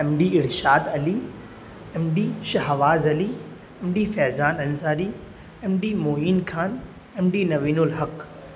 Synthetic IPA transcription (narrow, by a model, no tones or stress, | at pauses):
ɛmɖiɪɾʃaːd̪ɐli | ɛmɖiʃɐɦʋaːzɐli | ɛmɖifɛːzaːnɐnzaːɾi | ɛmɖimoːiːnkʰaːn | ɛmɖinɐʋiːnʊlɦɐk